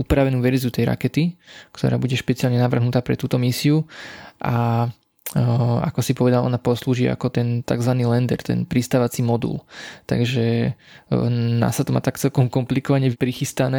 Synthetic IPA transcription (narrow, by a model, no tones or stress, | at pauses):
upɾaʋɛnuːʋɛɾziut̪ɛjɾa̰kɛt̪ikt̪ɔ̰ɾa̰ːbuɟɛʃpɛt͡siaːlɲɛnaʋr̩ɦnut̪aːpɾɛ̰t̪uːt̪ɔmisiuʔa | a̰kɔsipɔʋɛd̪alʔɔ̰napɔsluːʒiʔa̰kɔt̪ɛnt̪a̰ɡzʋaniːlɛnd̪ɛɾt̪ɛ̰npɾist̪aːʋat͡simɔd̪ṵlt̪a̰ɡʒɛ | na̰sat̪ɔma̰ːt̪akt͡sɛlkɔmkɔmplikɔʋaɲɛpɾixist̪anɛː